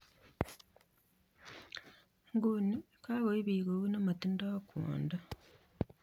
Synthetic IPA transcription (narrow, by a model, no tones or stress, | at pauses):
ŋɡuni | kaːɣoiβiːɣoβunomatindakʰṵːnda